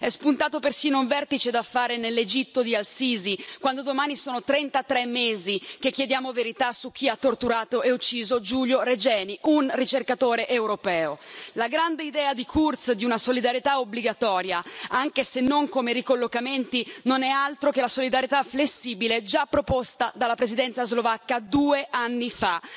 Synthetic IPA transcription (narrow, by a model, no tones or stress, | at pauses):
ɛspunt̪aːt̪opersiːnouɱvɛrt̪it͡ʃed̪afːaːɾenelːed͡ʒit̪ːod̪ialsiːzikwand̪od̪omaːnisoːnot̪ɾɛnt̪at̪ɾɛmːeːzik̟ek̟ːjed̪jaːmoveɾit̪asuk̟ːiat̪ːort̪uɾaːt̪oʔeut͡ʃːiːzod͡ʒuljoɾed͡ʒɛːniʔunrit͡ʃerkat̪oːɾeʔewɾopɛːolaɡɾand̪eid̪ɛːad̪ikʰurt̪sd̪iunasolid̪aɾjet̪aobliɡat̪ɔːɾjaaŋkesenːoŋkomeɾikolːokament̪inonɛalt̪ɾokelasolid̪aɾjet̪aflesːiːbiled͡ʒapːɾopost̪ad̪alːapɾezid̪ɛnt̪sazlovakːad̪uːeʔanːifa